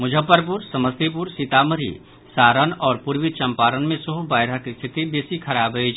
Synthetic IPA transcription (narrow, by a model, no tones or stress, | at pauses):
mʊd͡ʒʱəpːəɾp̬ʊɾsɐməst̪ip̬uɾsit̪aːməɾḭ | saːɾənɔːɾpʊɾʋit͡ʃɐ̃mpaːɾənmẽsʊɦubaːjɾɦakist̪ʰɪt̪ib̪eːsikʰɐɾaːbɦejd͡ʒ